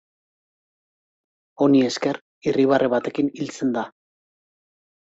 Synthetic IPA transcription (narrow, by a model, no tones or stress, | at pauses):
o̞nie̞ske̞ɾ | iriβ̞areβat̪e̞kinilt͡se̞nd̪a